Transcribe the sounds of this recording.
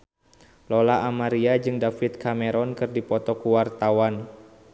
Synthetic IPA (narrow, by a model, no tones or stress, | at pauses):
lɔlaamaɾiad͡ʒɨŋdafɪt̪̚kameɾɔnkɨrdipɔt̪ɔkuwart̪awan